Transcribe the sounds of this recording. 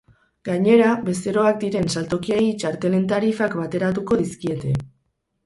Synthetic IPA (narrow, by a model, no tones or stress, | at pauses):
ɡ̥aɲe̞ɾaβe̞st̪e̞ɾo̞ak̚d̪iɾe̞nsalt̪o̞kieit͡ʃaɾt̪e̞le̞nt̪aɾifakbat̪e̞ɾat̪uko̞ðiskie̞t̪e̞